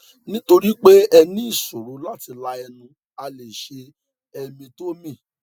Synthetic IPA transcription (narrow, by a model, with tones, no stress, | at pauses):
nĩ˦to˧ɾi˦k͡pe˦ɛ˧nĩ˦i˦˨so˨ɾo˨˦la˦ti˧la˧ɛ˧nũ˧ | a˧le˨ʃe˧ | ɛ˧mĩ˧to˦mĩ˦˨